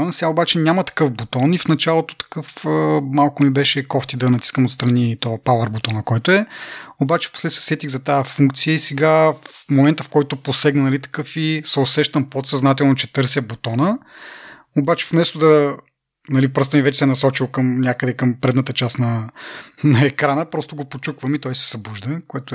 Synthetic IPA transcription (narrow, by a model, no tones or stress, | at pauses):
sɛɡaobat͡ʃɛnʲamɐt̪ɐ̥kɤfbot̪ɔnifnɐt͡ʃalˠot̪o̥t̪ɐ̥kɤfəmalˠkʊnibɛʃɛkɔft̪id̪ɐnɐt̪i̥skəmot̪st̪ɾɐnit̪ɔɐpavəɾbot̪ɔnɐkɔjt̪oɛobat͡ʃɛ̥fpo̥slɛt̪ijəsɛt̪iɡzɐt̪aəfuŋkt̪sijəisɛɡafmomɛnt̪əfkɔjt̪ʊposɛɡnɐnɐlit̪ɐ̥kɤfisɛosɛʃt̪əmpot̪sɐznat̪ɛlˠnot͡ʃɛ̥t̪ɤɾsjəbot̪ɔnə | obat͡ʃɛ̥fmɛst̪ʊd̪ɐ | nɐlipɾɤst̪əmivɛt͡ʃɛ̥sɛnɐsɔt͡ʃilˠkəmnʲakəd̪ɛkəmpɾɛd̪nət̪ət͡ʃasnɐ | nɐɛkɾanəpɾɔst̪oɡopot͡ʃukvəmit̪ɔjsɛ̥z̥ɐbuʒd̪əkoɛt̪ʊ